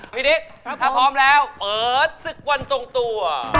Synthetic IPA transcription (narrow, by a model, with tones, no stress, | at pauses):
pʰi˦˥ni˦˥k̚t̪ʰaː˧˥pʰɔː˦˥mlɛː˦˥wpɤː˨˩t̪̚sɯ˨˩k̚wa˧nso˨˧˩ŋt̪u˧ɐ